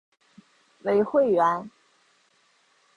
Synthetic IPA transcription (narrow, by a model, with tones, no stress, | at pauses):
we˧˥ɪxwe˥˩ɪɥɛ˧˥n